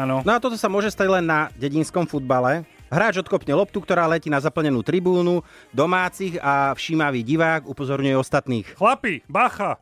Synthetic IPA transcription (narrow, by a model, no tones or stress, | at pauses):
anɔnɔat̪ɔt̪ɔsamʊɔʒɛst̪aɟlɛnːaɟɛɟinskɔmfud̪̚balɛ | ɦɾaːd͡ʒɔt̪kɔpɲɛlɔp̚t̪ukt̪ɔɾaːlɛciːnazapl̩ɲɛnuːt̪ɾibuːnu | d̪ɔmaːt͡siɣafʃiːmaʋiːɟiʋaːkupɔzɔɾɲujɛɔst̪at̪niːxxlapibaxa